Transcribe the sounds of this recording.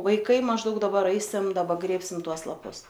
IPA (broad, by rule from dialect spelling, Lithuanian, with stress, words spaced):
ʋɐɪˈkɐɪ mɐʒˈdɐʊk dɐˈbɐr ˈɐɪsʲɪm dɐˈbɐ ˈɡrʲeːpʲsʲɪm ˈtuɔs lˠɐˈpʊs